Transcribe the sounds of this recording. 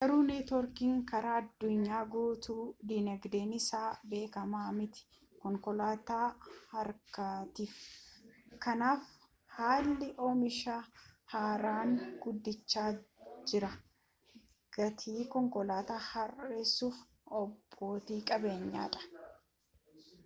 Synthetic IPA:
ɡɐɾuːneːt̪ɔɾkiːŋkɐɾaɐd̪ːʊɲːaːɡoːt̪uːd̪iːnɐɡd̪eːnɪsaːbe̞ːkɐmaːmɪt̪ɪ̥ | kɔŋkɔlaːt̪aːhɐɾkɐt̪iːf | kɐnaːf | haːlːɪʔoːmɪʃahaːɾaːŋɡ̥ʊd̪ːɪt͡ʃːaːd͡ʒɪɾɐ | ɡ̥ɐt̪ʰiːkɔŋkɔlaːt̪aːhɐreːsːuːf | ɔbːo̞ːt̪iːkʼɐbe̞ːɲːa̰ːᶑɐ̥

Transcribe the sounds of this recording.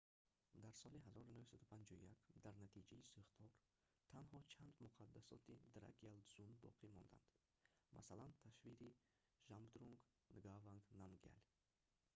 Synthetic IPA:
d̪aɾsɔliɦazɔɾunɵhsad̪upʰand͡ʒɔṵjakd̪aɾnat̪ʰid͡ʒaisuχt̪ʰɔɾ | t̪ʰanɦɔt͡ʃʰand̪muqʰad̪ːasɔ̰t̪ʰid̪ɾa̰ɡialzunbɔ̰qʰimɔnd̪a̰nd̪̥ | mʔa̰salant̪ʰaʃviɾi | ʒamd̪ɾuŋɡ | nɡavaŋɡnamɡa̰l

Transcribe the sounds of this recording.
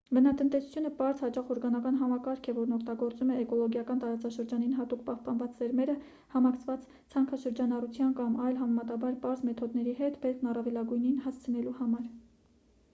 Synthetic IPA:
bənɑt̪ənt̪ɛsu̥t͡sʰjunəpɑɾzhɑt͡ʃɑχɔɾɡɑnɑkɑn̪ɦɑmɑkɑɾkʰɛvɔɾnɔkʰt̪ɑɡɔɾt͡sumɛːkɔlɔɡjɑkɑnt̪ɑɾɑt͡sɑʃəɾd͡ʒɑninɦɑt̪ukpɑhpɑnvɑt͡szɛɾmɛɾə | hɑmɑkʰt͡sʰvɑt͡s | t͡sʰɑŋkʰɑʃəɾd͡ʒɑnɑrut͡sʰjɑnkɑmɑjlɦɑmɛmɑt̪ɑbɑɾpɑɾzmɛt̪ʰɔd̪nɛɾiɦɛt̪bɛɾkʰnɑrɑvɛlɑɡujninhɑst͡sʰənɛluhɑmɑɾ

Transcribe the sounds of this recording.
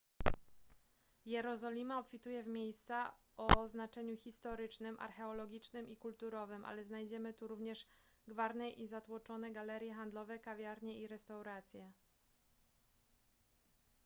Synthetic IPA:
jɛɾɔzɔlʲimaɔpfʲit̪ujɛvmʲjejst̪sa | ɔznat͡ʂɛɲuxʲist̪ɔɾɘt͡ʂnɘmʔa̰ɾxɛɔlɔɡʲit͡ʂnɘmikult̪uɾɔvɘmʔa̰lɛznajd͡ʑɛmɘt̪uɾuvɲɛʂɡvaɾnɛʔizat̪wɔt͡ʂɔnɛɡalɛɾʲjɛxand̪lɔvɛkavʲjaɾɲɛiɾɛst̪awɾat̪sʲjɛ

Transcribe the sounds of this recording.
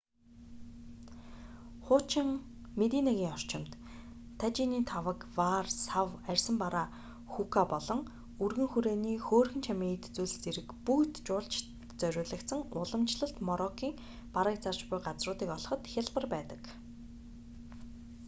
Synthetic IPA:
χʊːt͡ɕɪ̆ŋmet̪iːnaɣʲiːŋɔr̥t͡ɕɪ̆mt̪ | t̪ʰːat͡ɕiniːt̪ʰawə̆kwarsawærʲsə̆mpaɾaː | xukʰapɔɮɞ̆ŋ | urɣɘ̆ŋxuɾeːniːxoːrxɘ̆nt͡ɕʰamʲiːŋet̪t͡suːɮt͡seɾɘ̆kpukt̪t͡ɕʊːɮt͡ɕ | t͡sœɾʲʊːɮə̆kt̪sə̆ŋʊɮə̆mt͡ɕɮə̆ɬt̪mɔɾɔkʰiːŋ | paɾə̆k̚t͡sart͡ɕpʊjɢat͡srʊːt̪iːkɔɮɞ̆χɞ̆t̪xʲaɮpə̆rpæːt̪ə̆k

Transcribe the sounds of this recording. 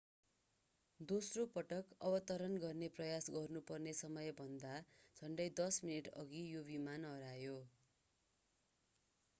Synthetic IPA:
d̪osropʌʈʌkʌbʌt̪ʌɾʌnɡʌrneprʌjasɡʌrnupʌrnesʌmʌjbʱʌnd̪ad͡zʱʌɳɖʌjd̪ʌsminiʈʌ̰ɡijobimanɦʌɾajo

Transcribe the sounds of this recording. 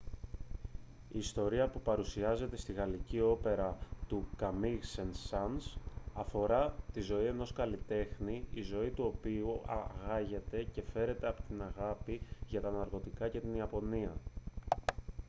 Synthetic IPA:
iːst̪o̞ɾiɐpupɐɾusiɐze̞t̪e̞st̪iɣɐlicio̞pe̞ɾɐt̪ukɐmiɣsensɐnsɐfo̞ɾɐt̪izo̞ie̞no̞skɐlit̪e̞xniizo̞it̪uo̞piuɐ̰ɣɐʝe̞t̪e̞ce̞fe̞ɾe̞t̪e̞ɐpo̥t̪inɐɣɐpiʝɐt̪ɐnɐɾɣo̞t̪ikɐce̞t̪iniɐpo̞niɐ

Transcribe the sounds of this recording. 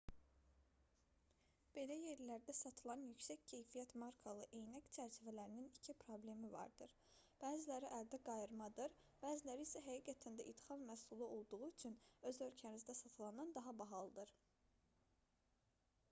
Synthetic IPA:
b̥e̞læje̞ɾlæɾd̪æsɑt̪ʰɯlˠɑnjycsæccʰe̞jfijæt̪mɑɾkʰɑlˠɯʔe̞jnæct͡ʃʰæɾt͡ʃʰivælæɾininicʰipʰɾo̞ble̞mivɑ̰ɾd̪ɯɾ | b̥æːzilæɾiʔæld̪æɡɑjɯɾmɑd̪ɯɾ | b̥æːzilæɾiːsæɦæɡiɡæt̪ʰænd̪æʔit̪hɑnmæsulˠɯo̞lˠd̪uʁuyt͡ʃʰynø̞zø̞lcʰænizd̪æsɑt̪ʰɯlˠɑnɑnd̪ɑɦɑbɑɦɑlˠɯd̪ɯɾ

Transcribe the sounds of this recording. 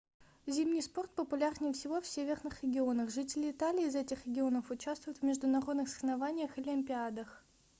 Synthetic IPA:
zʲimnʲɪjspo̞rt̪̚pəpʊlʲarnʲɪjfsʲɪvo̞fsʲevʲɪrnɨxɾʲɪɡʲɪo̞nəxʐɨtʲɪlʲɪːt̪alʲɪːzɛtʲɪxɾʲɪɡʲɪo̞nəfʊt͡ɕast̪vʊjʊt̪vmʲɪʐd̪ʊnɐɾo̞d̪nɨxsə̥xnɐvanʲɪjəxɨlʲɪmʲpʲɪad̪əx

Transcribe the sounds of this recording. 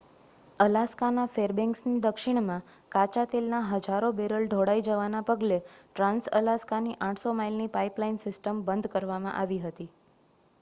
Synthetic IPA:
əlaskanafeɾbɛ̃ŋksnid̪əkʃɪɳmã | kat͡ʃat̪elnaɦəd͡ʒaɾobeɾəlɖ̪ʱoɽaid͡ʒəʋanapəɡleʈɾãnsəlaskaniʔãʈʰsomailnipaiplainsɪsʈəmbənd̪ʱkəɾʋamã̰ʔaʋiɦət̪i

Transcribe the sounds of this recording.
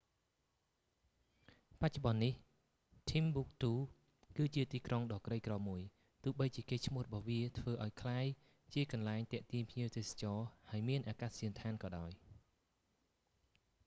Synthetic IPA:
pac̚t͡ɕŏɓɑnːih | t̪ʰimɓuk̚t̪uː | kɨːt͡ɕiət̪iːkroŋɗɑːkrəjkrɑːmuəj | t̪uːəɓəjt͡ɕiəkeːt͡ɕʰmŭəhrɔɓɑhʋiət̪ʰʋəːʔaɔjkʰlaːj | t͡ɕiəkɑnlaɛŋt̪ɛ̆əʔt̪iənpʰɲiəwt̪eːsḁt͡ɕɑːhaəjmiənʔaːkaːsiənt̪ʰaːnkɑːɗaɔj

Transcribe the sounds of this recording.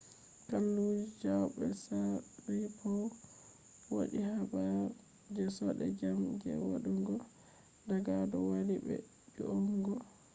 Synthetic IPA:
kalːud͡ʒid͡ʒawbɛsaɾipʰɔ | wo̰ɗihaba | d͡ʒɛsɔɗɛ̰d͡ʒamɡɛ̰wa̰ɗuŋɡɔ | daɡadɔwaliɓɛ̰ | d͡ʒɔʔɔŋɡɔ

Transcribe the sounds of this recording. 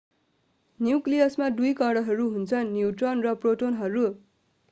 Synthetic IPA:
njuklijʌsmad̪ujkʌɽʌɦʌɾuɦunt͡sʰʌnnːjuʈrʌnrʌproʈonɦʌɾu

